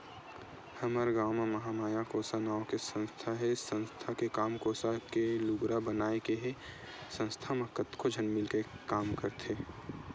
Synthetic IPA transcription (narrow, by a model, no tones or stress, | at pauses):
hɐməɾɡaːmamɐɦamaːjakoːsanaːokesə̃nst̪ʰaɦɛsə̃nst̪ʰakekaːmkoːsakelʊɡɾabənaːekeɦe | sə̃nst̪ʰamakət̪kʰod͡ʒʱənmɪlkekaːmkəɾt̪ʰeː